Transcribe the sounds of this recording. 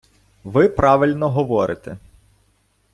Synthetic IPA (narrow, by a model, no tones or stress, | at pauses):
ʋɪpɾʔɑʋɪlʲnɔɦɔʋɔɾʔɪt̪e